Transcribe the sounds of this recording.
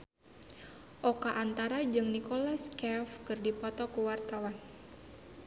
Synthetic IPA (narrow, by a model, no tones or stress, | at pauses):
ʔokaʔant̪aɾad͡ʒɨŋnikolaskɛfkɨrdipɔt̪ɔkuwart̪awan